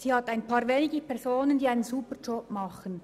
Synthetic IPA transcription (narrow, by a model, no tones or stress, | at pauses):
siːhɑtaɪnpʰɑːʁveːnɪɡəpʰɛʁzoːnəndiːaɪnənzuːpəd͡ʒɔp̚mɑχən